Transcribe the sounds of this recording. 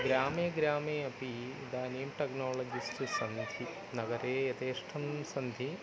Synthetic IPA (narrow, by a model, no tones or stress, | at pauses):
ɡɾaːmeːɡɾaːmeːɐpid̪aːneːmʈeknoːlɐd͡ʒisʈɨsɐnd̪ʱi | nɐɡɐɾeːjɐt̪eːʂʈʰɐmsɐnd̪ʱi